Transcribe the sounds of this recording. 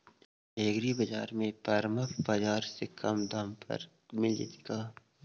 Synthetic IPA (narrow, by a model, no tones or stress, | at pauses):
eːɡɾibɐd͡ʒaːɾmẽpɐɾmɐfbɐd͡ʒaːɾsekʰɐmd̪ɐmpɐ̰ɾ | mɪlḭt̪kaː